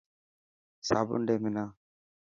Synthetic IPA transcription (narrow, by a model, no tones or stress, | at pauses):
sabʊ̰nɖɛmɛna